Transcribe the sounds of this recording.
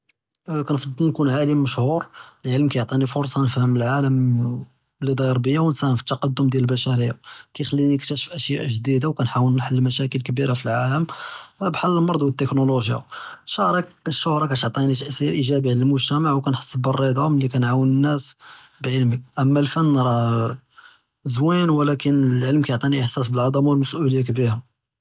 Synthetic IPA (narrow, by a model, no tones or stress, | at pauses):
kænfd̪ˤnkunʕalimːəʃhuɾəlʕəlmkæjoʕt̪ˤinifʊɾˤsˤɑnəfhəməlʕaləm | lid̪ˤɑɾˤbəjːawnsæhəmfi̥t̪ːɑqɑd̪ːʊmd̪jælbæʃæɾijːakæjxælːinikt̪æʃəfʔæʃjaʔʒd̪id̪awkænħawənnħalːmæʃækəlkbiɾafilʕaləmbħalːəlmɑɾˤd̪ˤwət̪ːəknoloʒja̰ʃohɾˤɑʃːʊhɾˤɑkæt̪ʕt̪ˤinit̪əʔsiɾʔiʒæbiʕləlmʊʒt̪æmaʕwkænħə̥sˤːəbərˤːid̪ˤɑməlːikænʕawənənːæsbʕəlmək̚ʔəmːælfənːɾˤɑ | zwinwəlækənəlʕəlmkæjʕt̪ˤiniʔəħsæsbəlʕɑd̪ˤɑmwəlməsʔuləjːak̬biɾa